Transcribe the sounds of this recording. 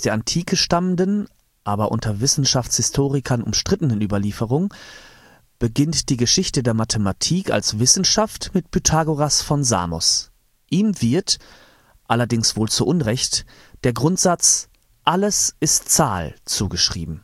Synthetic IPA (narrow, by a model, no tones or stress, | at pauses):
d̥eːɐʔantʰiːkʰəʃtaməndən | ʔaːbɐʔʊ̰ntʰɐvɪsn̩ʃaft͡shɪstʰoːʁɪkʰɐnʔʊ̰mʃtʁ̥ɪtənənʔyːbɐliːfəʁʊŋ | b̥əɡɪntd̥iːɡəʃɪçtədeːɐmatʰəmatʰiːkʰa̰lsv̥ɪsn̩ʃaftmɪtpʰytʰaːɡoʁasfɔnza̰ːmɔ̰s | ʔiːmvɪɐt | ʔalɐdɪŋsv̥oːlt͡suʔʊnʁɛçt | d̥eːɐɡʁʊntz̥at͡s | ʔaləsɪstt͡saːlt͡suːɡəʃʁ̥ḭːbm̩